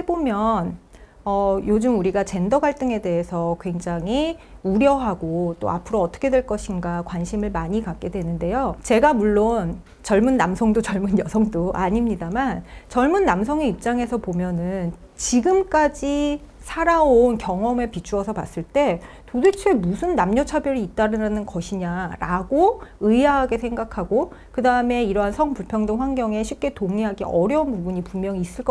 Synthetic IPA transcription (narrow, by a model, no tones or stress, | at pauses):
hebomjʌn | ʌjod͡ʑɯmuɾiɡat͡ɕe̞ndʌɡaɭt͈ɯŋe̞de̞ɦesʰʌkwe̞ŋd͡ʑaŋiuɾjʌɦaɡot͈o̰a̰pʰɯɾoʌt͈ʌ̥kʰe̞dwe̞ɭk͈ʌɕʰinɡakwanɕʰimɯɭmaɲikak͈̚e̞dwe̞nɯnde̞jot͡ɕe̞ɡamuɭːon | t͡ɕʌɭmunːamsʰʌŋdot͡ɕʌɭmunjʌsʰʌŋdoʔa̰ɲimɲidamant͡ɕʌɭmunːamsʰʌŋe̞ip̚t͡ɕ͈aŋe̞sʰʌpomjʌnɯn | t͡ɕiɡɯmk͈ad͡ʑi | sʰaɾaonkjʌŋʌmepit͡ɕʰuʌsʰʌpa̰s͈ɯɭt͈e̞ | todet͡ɕʰuemusʰɯnːamɲʌt͡ɕʰabjʌɾiːt͈aɾɯnanɯnkʌɕʰiɲaɾaɡoɯiaɦaɡe̞sʰe̞ŋɡakʰaɡokɯdaɯme̞iɾʌɦansʰʌŋpuɭpʰjʌŋdɯŋɸwanɡjʌŋe̞ɕʰip̚k͈e̞toŋiɦaɡḛʔʌɾjʌunpubuɲipummjʌŋiːs͈ɯɭk͈ʌ